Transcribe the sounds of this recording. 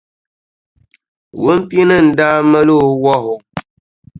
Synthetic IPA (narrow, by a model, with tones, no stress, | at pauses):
wu˦m̩˦pji˦nə˦˨n̩˨da˦mə˦lo˦˨˦wɔ˦ɦo˨